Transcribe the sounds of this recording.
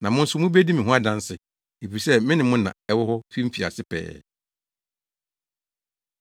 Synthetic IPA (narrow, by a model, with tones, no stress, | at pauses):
nã˨mʊ̃˦n̩˦sʊ˦mʊ̃˦be˦di˦mɪ̃˨ɦʊ̃˦a˦dã˦n˦sɪ˨ | e˨fi˨sɛ˦mɪ̃˦nɪ̃˨mʊ̃˦nã̰˨ɛ˦wʊ˦hɔ˦fĩ˦m̩˦fi˨a̰˨sɪ˦pʰɛ̰ː˨